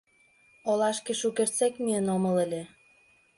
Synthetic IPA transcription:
olɑʃkĕʃukert͡sekmiənomə̆lə̆lʲĕ

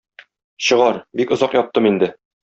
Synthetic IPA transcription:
ɕɤ̆ʁɑɾbikŏzɑqjɒp̚t̪ːɤmind̪ɘ

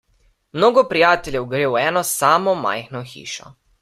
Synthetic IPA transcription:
mnoːɡɔpɾijaːt̪ɛlʲjɛwɡɾeːwɛːnɔsaːmɔma̰jxnɔxḭːʃɔ̰

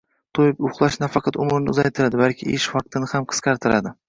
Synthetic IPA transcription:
t̪ʰojɪpʊχlˠaʃnafɑqʰɑt̪ʊmɪɾnɪʊzajt̪ʰɪɾad̪ɪbalˠkʲʰɪeʃfɑq̚t̪ʰɪnɪhamqʰɨ̥sqʰɑɾt̪ʰɪɾad̪ɪ

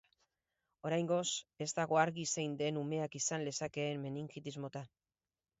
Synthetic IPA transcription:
o̞ɾajŋɡo̞se̞zt̪aɣ̞o̞aɾɣise̞jnd̪e̞nume̞akisanle̞sake̞ːmme̞niŋkit̪izmo̞t̪a

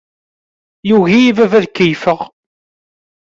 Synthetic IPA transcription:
juɣiivævæðkːəjfəʁ

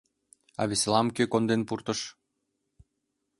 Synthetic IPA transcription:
ɑ̰βʲislɑmkøkond̪enpurt̪ə̆ʃ

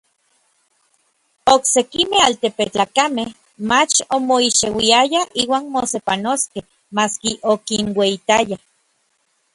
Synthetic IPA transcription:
oksekimealt̪epet͡ɬaːkameh | mat͡ʃomoiʃewiajaiːwaːnmosepanoskeh | maskiʔokinweit̪aja

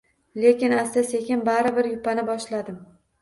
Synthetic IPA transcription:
le̞kʲɪnast̪ase̞kʲɪnbaɾɪbɪɾjʊpːanɪbɒʃlad̪ɪm

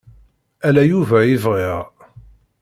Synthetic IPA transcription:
ælæjuvæjɪvʁiʁ

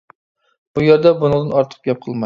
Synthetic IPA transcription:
b̥ʊjeɾd̪abʊnɨŋˠd̪ɪnɒɾt̪ʰɨ̥p̚ɡʲɒp̚qʰɨlˠma

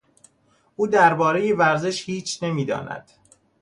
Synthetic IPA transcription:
ʔuːd̪æɾbɒːɾe̞jevæɾze̞ʃhiːt͡ʃʰne̞miːd̪ɒ̰ːnæ̰d̪̥

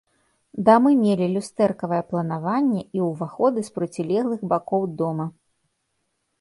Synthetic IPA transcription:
d̪amɨmʲelʲilʲust̪ɛrkɐvɐjɛplˠɐnavanʲːɛiwvaxɔd̪ɨspɾɐt͡sʲilʲɛɣlˠɨɣbakɔwd̪ɔmɐ

